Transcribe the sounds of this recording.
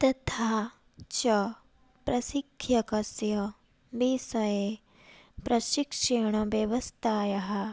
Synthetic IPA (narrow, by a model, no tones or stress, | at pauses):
t̪ɐt̪ʰaː | t͡ʃɐ | pɾɐsikʰːjɐkɐsjɐ | diːsɐjeː | pɾɐʃikʂeɳ̃ɐʋjɐʋɐst̪ʰaːjɐɦɐ̆